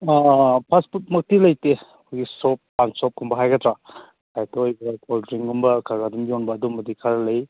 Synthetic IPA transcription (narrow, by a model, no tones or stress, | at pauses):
apʰasput̚mɐk̚tilɐjte | kʰujɡisɔpːansɔp̚kʰumbɐɦajɡɐtɾa | kʰajtʰaojbɐkaldɾiŋɡumbɐkʰaɾɡadumbiɔnbɐːdumbɐdikʰaɾɐlɐj